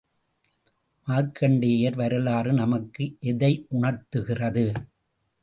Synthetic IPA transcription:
maːɾkːɐɳɖeːjɐɾʋɐɾɐlaːrɯnɐmɐkːɯʔɛðɐɪʔʊɳɐɾt̪ɯɣɪrɐðɯ

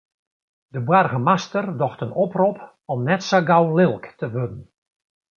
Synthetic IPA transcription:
dəbwarɣəmastərdɔxtənɔprop | ɔmnɛtsaɡawlɪlˠktəʋødən̩

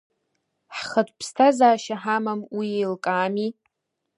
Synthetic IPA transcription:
ħχətʷʰʼpʰstʰazaːʃaħamamwiejlkʼaːmi

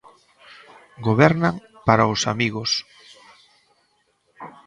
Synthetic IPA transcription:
ɡoβɛɾnaŋ | paɾaʊsa̰miɣos

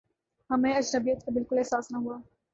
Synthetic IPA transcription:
ɦɐmẽɐd͡ʒnɐbijət̪̚kabɪlkʊlɛɦsaːsnɐɦuaː

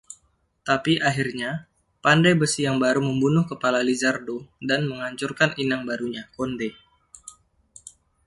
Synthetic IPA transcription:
t̪apiʔaɦirɲa | pandajbəsijaŋbaɾuməmbunʊhkəpalalizardodanməŋaɲt͡ʃʊrkaninaŋbaɾuɲakonde

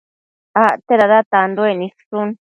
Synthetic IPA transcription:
aʔt̪eðaðat̪and̪oenĩssun

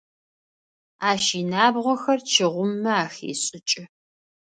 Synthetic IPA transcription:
aːʃiːnaːbʁʷɔxɐrt͡ʃʰɪʁʷʊmːɐaːxḛːɕʼɪt͡ʃʼɪ

